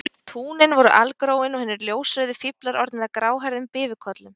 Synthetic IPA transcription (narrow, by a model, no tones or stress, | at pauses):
t̪ʰuːnɪnvɔɾʏʔalkɾoːwɪnɔɣhɛnːɪɾljoːwsɾœːðɪfiplaɾɔɾt̪nɪðakɾaːwɦajɾðʏmpɪːvʏkʰɔt̪lʏm